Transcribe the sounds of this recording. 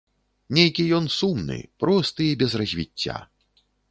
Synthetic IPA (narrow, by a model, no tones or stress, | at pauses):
nʲejkʲijɔnsumnɨ̰pɾɔst̪ɨibʲɛzrɐzʲvʲḭt͡sʲːa̰